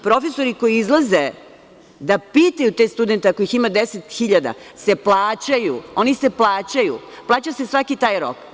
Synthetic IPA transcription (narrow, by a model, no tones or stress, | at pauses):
pɾo̞fe̞so̞ɾiko̞jiizlˠaze | d̪apiːt̪ajut̪est̪ud̪ent̪eako̞jiximad̪eset̪xiʎad̪a̰se̞plˠaːt͡ɕajuo̞niseplˠaːt͡ɕajṵ | plˠaːt͡ɕasesʋakit̪aːjɾo̰k